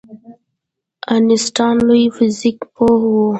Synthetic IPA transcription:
anɪsʈɑnlujfɪzikpohwu

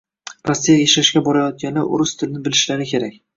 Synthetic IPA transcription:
pʰast̪ijajaʃaʃkʲabɒɾajɒt̪̚ɡʲanɪʔʊ̰ɾʊst̪ʰɪlnɪbɪlɪʃlaɾɪkʲʰe̞ɾakʲ

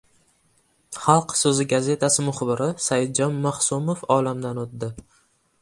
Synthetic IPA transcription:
χɑlˠqsɵzɪɡaze̞t̪ʰasɪmʊχbɪɾʔɪsajɪd̪̚d͡ʒɒnmaχsumofɒlamd̪anot̪̚d̪ɪ

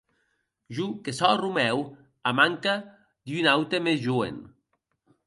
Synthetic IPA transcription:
ʒukesɔrumɛw | amaŋka | d̪ynawt̪emezʒuḛn

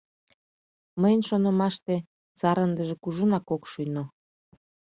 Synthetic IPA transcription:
məjənʃonə̆mɑʃt̪e | sɑɾənd̪əʒekuʒənɑkokʃyno

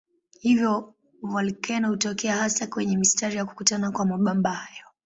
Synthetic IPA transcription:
hivjɔ | valikɛnahutɔkɛahasakwɛɲɛmistaɾijaku̥kutanakwamaɓambaajɔ

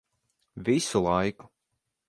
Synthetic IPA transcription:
visulˠajku̥

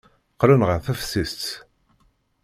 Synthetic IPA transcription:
qɾənʁəθæfsist͡s̪

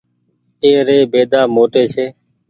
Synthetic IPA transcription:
eːɾeːbeːd̪aːmoːʈeːseː

